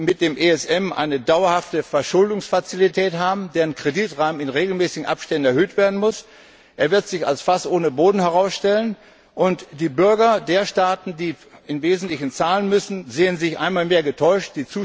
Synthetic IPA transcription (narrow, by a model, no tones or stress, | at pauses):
mɪt̚d̥eːmʔeːɛsʔɛmʔa̰ɪnədaʊɐhaftəfɛɐʃʊldʊŋsfat͡silitʰɛːtɦaːbm̩deːʁənkʁ̥ediːtʁaːmənɪnʁeːɡl̩mɛːsɪɡŋ̩ʔa̰pʃtɛndn̩ɛɐɦøːtv̥eːɐdn̩mʊs | ʔeːɐvɪɐtz̥ɪça̰lsfasʔoːnəboːdn̩hɛʁ̞aʊsʃtɛlən | ʔʊntd̥iːbʏɐɡɐdeːɐʃtaːtn̩diː | ɪnveːzn̩tlɪçn̩t͡saːlənmʏsn̩zeːənzɪçʔa̰ɪnmaːlmeːɐɡətʰɔʏʃtd̥iːt͡suː